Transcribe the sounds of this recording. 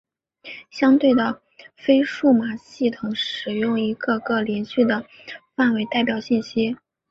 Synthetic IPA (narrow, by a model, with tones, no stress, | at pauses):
ɕjɑ˥ŋt̪we˥˩ɪd̪ə˩ | fe˥ɪʂu˥˩ma˨˩ɕi˥˩t̪ʰʊ˧˥ŋʂɻ̩˨˩jʊ˥˩ŋi˧˥ɡɤ˧ɡɤ˥˩ljɛ˧˥nɕy˥˩d̪ə˩ | fa˥˩nwe˧˥ɪt̪a˥˩ɪpjɑ˨˩ʊɕi˥˩nɕi˥